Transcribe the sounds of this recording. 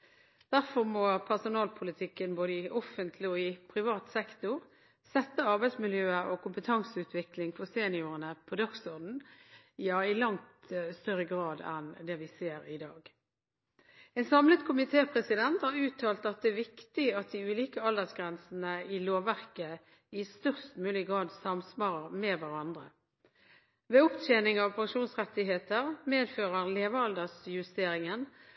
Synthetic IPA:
d̪̥æʁfɔʁmɔpʰæʁsʊnɑːlpʰʊlɪt̪ʰɪkːənboːd̪əɪʔɔfənt̪ʰlɪɔɪpʰɾɪʋɑːt̪sɛkt̪ʊʁ | sɛt̪ːəɑʁbæɪsmɪljøːəɔkʊmpət̪ʰɑŋsəʉːt̪ʰʋɪklɪŋfɔʁseːnɪʊʁənəpʰɔd̪ɑksɔʁd̪n̩ | jɑːɪlɑŋt̪st̪œʁəɡʁɑːd̪ɛ̰nd̪ɛʋɪseːɾɪd̪ɑːɡ | ɛnsɑmlət̪kʰʊmɪt̪ʰeːpʰʁɛsɪd̪ɛnt̪hɑɾʉːt̪ʰːɑːlt̪ɑt̪̚d̪ɛæʋɪkt̪ɪɑt̪̚d̪ɪʉːliːkəɑld̪əsɡʁɛnsn̩əɪloːʋæʁkə | ɪst̪œʁst̪mʉːlɪɡʁɑːd̪sɑmsmɑːʁəmɛʋæʁɑnd̪ʁə | ʋɛʊpt̪ʰeːnɪŋɑʋpʰɑŋʃuːnsʁɛt̪ːɪɦeːt̪əʁmeːd̪føːʁəʁleːʋəɑld̪əsjʉst̪eːɾɪŋən

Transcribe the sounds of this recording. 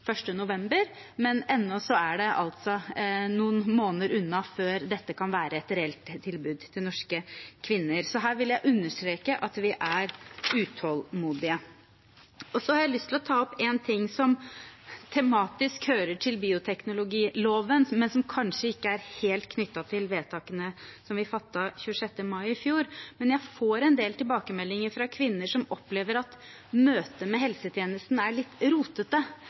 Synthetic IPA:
fœʂʈənʊʋɛmbəɾ | mɛnɛnːɔsɔæɖɛʔɑ̰lt̪sɔnuːənmoːnəɾʉnːɑføːɾd̪ɛt̪ːəkʰɑnʋæːɾʔəɛt̪ɾɛɛlt̪ʰːɪlbʉːd̪t̪ʰɪlnɔʂkəkʰʋɪnːəɾsɔɦæːɾʋɪljæɪʔʉnːəʂʈɾeːkəʔɑt̪ʋɪʔæɾʉːt̪ʰɔlmuːd̪ɪə | ɔsɔhɑɾjæɪlʏst̪ʰɪlɔt̪ʰɑːɔpeːnt̪ʰɪŋːsɔm | t̪ʰɛmɑːt̪ɪskhøːɾəʈʰɪlbiːʊt̪ʰɛknʊlʊɡiːloːʋənmɛnsɔmkʰɑnʂəɪkːəæɾheːlt̪kʰnʏt̪ːɑt̪ʰɪlʋeːt̪ʰɑːkənəsɔmʋɪfɑt̪ːɑçʉəʂɛt̪ːəmɑɪɪfjuːɾmɛnjæɪfoːɾɛnd̪eːlt̪ɪlbɑːkəmɛlːɪŋəɾfɾɑkʰʋɪnːəʂɔmɔpːleːʋəɾɑt̪ | møːt̪əmɛɦɛlsət̪ʰjeːnəst̪næɭɪt̪ːɾuːt̪ət̪ə

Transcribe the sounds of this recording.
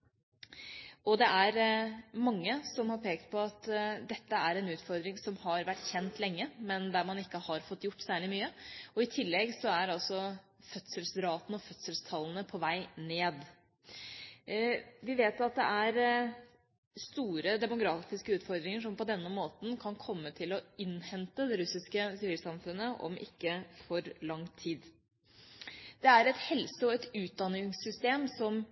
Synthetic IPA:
ɔd̪ɛʔæɾmɑŋːəsɔmhɑɾpʰeːkt̪̚pʰɔɑt̪d̪ɛt̪ːəæɾɛnʉːt̪fɔɾd̪ɾɪŋsɔmhɑɾʋæʈːçɛnt̪lɛŋːəmɛnd̪æɾmɑnɪkːəhɑɾfɔt̪ːjʊʈːsæːɭɪmyːəɔɪt̪ʰɪlːɛɡsɔæɾɑlsɔ | fœt̪səlsɾɑːt̪ən̩ɔfœt̪səlst̪ʰɑlːənəpʰɔʋæɪneːd̪ | ʋɪʋeːt̪ɑt̪̚d̪ɛʔæɾ | st̪uːɾəd̪ɛmʊɡɾɑːt̪ɪskəʉːt̪fɔɾd̪ɾɪŋəʂɔmpɔd̪ɛnːəmoːt̪n̩kʰɑnkʰɔmːət̪ʰɪlɔɪnhɛnt̪əd̪ɛɾʉsɪskəsɪʋiːlsɑmfʉnːəʔɔ̰mʔɪ̰kːəfɔɾlɑŋt̪ʰiːd̪ | d̪̥ɛæɾɛt̪hɛlsəɔɛt̪ʉːt̪̚d̪ɑnɪŋsːʏst̪eːmsɔm

